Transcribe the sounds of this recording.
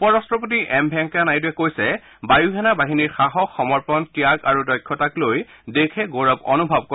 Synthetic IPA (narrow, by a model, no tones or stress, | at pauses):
pɔɹɔstɹɔpot̬iʔɛmbʱɛŋkanajduɛkojsɛ | bajuɡʰʱɛnabaɦiniɹxaɦɔxɔmɔɹpɔntijaɡaɹudɔjkʰːɔtakloj | dekʰɛɡoɹɔbɔ̰nubʱab̚ko